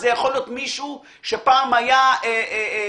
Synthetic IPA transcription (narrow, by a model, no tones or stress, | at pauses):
zejaχo̞ljot̪miʃu | ʃepaːmajae